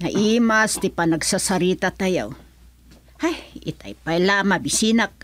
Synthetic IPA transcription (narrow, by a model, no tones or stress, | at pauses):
naʔimast̪ipanaɡsasaɾit̪at̪aja̰w | hajit̪a̰jpajlamabisinak̚